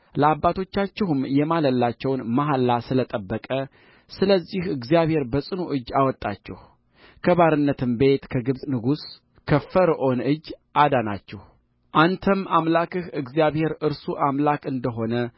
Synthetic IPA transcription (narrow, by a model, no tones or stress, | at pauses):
ləabːat̪ʰo̞t͡ʃːat͡ʃːɛhɨmjɛmaləlːat͡ʃːɛwnmaɦalːasɨlət̪ʼəbːəkʼə | sɨləzːihɨɡzijaβhe̞ɾbəsʼɨnuʔɨd͡ʒːawɔt̪ʼːa̰t͡ʃːɛ̰h | kʰəβaɾɨnːət̪ʰɨmbe̞t̪kʰəɡɨβsʼnɨɡus | kʰəfəɾʔo̞nɨd͡ʒːʔad̪ana̰t͡ʃːɛh | ʔant̪ʰəmamlakɨhɨɡzijaβhe̞ɾɨɾsuʔamlakʼɨnd̪əɦo̞nə